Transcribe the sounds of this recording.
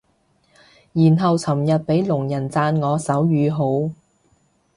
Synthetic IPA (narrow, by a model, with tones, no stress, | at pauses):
jiː˨˩nɦɐ˨wt͡sʰɐ˨˩mjɐ˨t̚pe˨˥jlʊ˨˩ŋjɐ˨˩nt͡saː˧nŋɔː˨˧sɐ˨˥wjyː˨˧ɦo˨˥w